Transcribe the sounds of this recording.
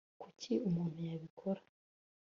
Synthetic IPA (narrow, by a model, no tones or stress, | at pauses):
kucʰiumuːn̥hujaβikʰo̞ɾḁ